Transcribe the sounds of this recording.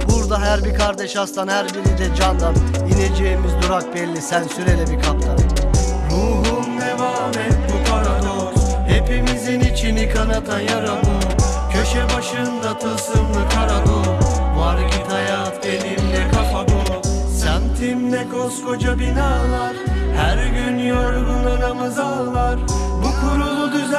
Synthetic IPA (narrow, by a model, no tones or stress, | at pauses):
buɾd̪aɦæɾbikʰaɾd̪eʃast̪anhæɾbiɾid̪ɛd͡ʒand̪anined͡ʒeːmizd̪uɾak̚bɛlʲːisænsyɾelʲɛbikʰap̚t̪ʰaɯɾuːɦumd̪evaːmɛkut̪ʰaɾalˠoɾhe̞pimizinit͡ʃʰinikʰanat̪ʰajaɾalˠɯɾcʰø̞ʃɛbaʃɯnd̪at̪ʰɯsɯnlɯkʰaɾalˠɯvaɾcit̪ʰajaːfd̪enimd̪ɛkʰapab̪osænt̪ʰimd̪ɛɡosfo̞d͡ʒabinaːlˠaɾhæɾɟynjoɾɡ̪unanamazalˠvaɾbukʰuɾulˠud̪yz